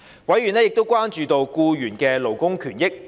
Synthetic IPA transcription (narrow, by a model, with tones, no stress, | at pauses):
wɐ˨˥jyː˨˩nɛ˥jɪ˨k̚t̪o˥wkʷwaː˥nt͡ʃyː˨˧t̪o˧wkuː˧jyː˨˩nkɛː˧lo˨˩wkʊ˥ŋkʰyː˨˩njɪ˥k̚